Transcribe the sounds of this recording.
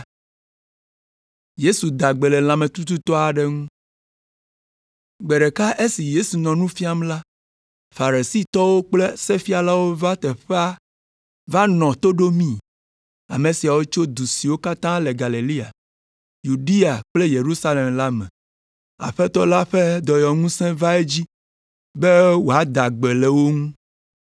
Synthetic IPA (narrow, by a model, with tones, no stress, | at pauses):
je˦su˨d̪a˨ɡ͡be˨lɛ˨l̃ã˨mɛ̃˨t̪u˦t̪u˦t̪ɔ˦a˨ɖɛ˦ŋũ˦ | ɡ͡be˨ɖɛ˨ka˦ʔe˦si˨je˦su˨nɔ̃˨nũ˦fi˦a˦mla˦ | fa˨ɾe˨si˦t̪ɔ˦wo˦k͡ple˦sɛ˦fi˦a˨la˦wo˦va˦t̪ɛ˨ɸɛ˦a˦ | va˦nɔ̃˨t̪o˦ɖo˦mĩ˦˨ | a̰˨mẽ˨si˨a˨wo˦t͡ʃo˦d̪u˨si˨wo˦ka˦t̪ã˦le˨ɡa˨le˨li˦a̰˨ | ju˨ɖi˦a˨k͡ple˦je˨ɾu˦sa˦le˨mla˦mɛ̰̃˨ | a̰˨ɸɛ˦t̪ɔ˦la˦ɸe˦d̪ɔ˨jɔ˨ŋũ˦sɛ̃˦va˦e˦d͡ʑi˦ | be˦wo˨a˨d̪a˨ɡ͡be˨le˨wo˦ŋũ˦